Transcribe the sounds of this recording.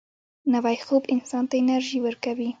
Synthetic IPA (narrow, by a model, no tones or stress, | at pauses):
nawajxobɪnsɑnt̪aɪnaɾʒiwəɾkawi